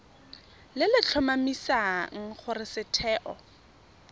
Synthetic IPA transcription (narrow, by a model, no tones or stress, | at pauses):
lɪlɪt͡ɬʰʊmamisaŋ̩χʊrɪsɪtʰɛːʔɔ